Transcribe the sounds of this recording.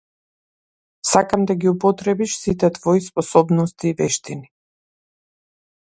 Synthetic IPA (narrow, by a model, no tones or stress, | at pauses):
sakamd̪aɡiupɔt̪ɾɛbiʃsit̪ɛt̪vɔispɔsɔbnɔst̪iːvɛʃt̪ini